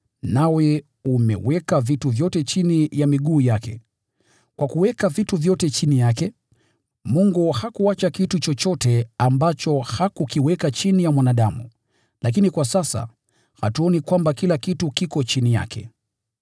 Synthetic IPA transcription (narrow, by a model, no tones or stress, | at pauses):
nawɛ | umɛ̰wɛkavituvjɔtɛt͡ʃinijamiɠuːjakɛ̰ | kwʔakuwɛkavituvjɔtɛt͡ʃinijakɛ | muŋɡuhakuat͡ʃakitut͡ʃɔt͡ʃɔtɛambat͡ʃɔhakukiwɛkat͡ʃinijamwanaɗamṵ | lakinikwasasa̰ | ha̰tuɔnikwambakilakitukikɔt͡ʃinija̰kʰɛ̰